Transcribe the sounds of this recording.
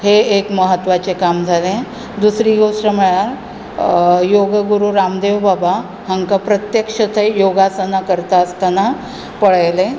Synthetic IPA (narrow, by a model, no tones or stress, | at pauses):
heekməɦət̪ʋat͡sekamd͡zʱalẽ | d̪usɾiɡoʂʈəməɭaɾ | joɡəɡuɾuɾamd̪eʋbaba | həŋkapɾət̪jəkʂət̪ʰəjoɡasanakəɾt̪aəst̪ana | pəɭajle